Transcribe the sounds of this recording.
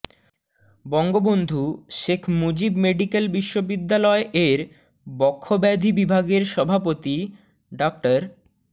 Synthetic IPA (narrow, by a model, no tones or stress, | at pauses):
bɔŋɡobond̪ʱuʃekʰmod͡ʑibmeɖikelbiʃːobid̪ːalɔeʔeɾ | bɔkʰːobɛd̪ʱibibʱaɡeɾʃɔbʱapot̪i | ɖak̚ʈaɾ